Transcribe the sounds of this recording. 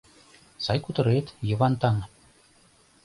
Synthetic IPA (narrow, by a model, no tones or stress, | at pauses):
sɑjkut̪ɤ̆ɾet̪jɤ̆βɑnt̪ɑŋ